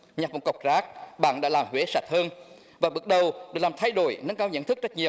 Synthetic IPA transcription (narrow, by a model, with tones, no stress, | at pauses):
ɲa˨˩mo˨˩t̚kə˨˩wk͡p̚zaː˦˥k̚ɓa̰ː˧˨nɗa̰ː˧˥laː˨˩mhwe˨˦sa˨˩t̚həː˧n | vaː˨˩ɓɨ˨˩ək̚ɗə˨˩wɗɨ˨˩klaː˨˩mt̪ʰa˧jɗo̰˧˩jnə˨˦nkaː˧wɲə̰˧˥nt̪ʰɨ˦˥k̚t͡ɕa˦˥t̚ɲi˨˩w